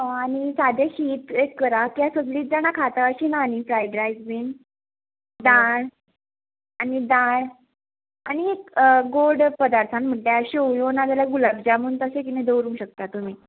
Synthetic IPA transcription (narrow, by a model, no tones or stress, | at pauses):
ɦɔ̃añisad̪ʱeɕiːt̪ekːəɾakiasot̪liːt̪̚d͡zañakʰat̪aəɕinaːnifɾajɖɾajd͡zbiːn | d̪ãɾ | anid̪ãɾ | aniekɡoɖpəd̪aɾt̪ʰanm̤əɳʈaəɕeojonad͡zaljaɡulabd͡ʑamunt̪əsekinẽd̪əwɾũːɕək̚t̪at̪um̤iː